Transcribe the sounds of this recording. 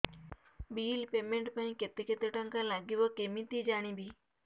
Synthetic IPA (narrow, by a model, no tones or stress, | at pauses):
biːlpeːmẽɳʈpaĩket̪eket̪əʈəŋkãlaɡiʋəkemĩt̪id͡ʒaːɽ̃ĩbʱiː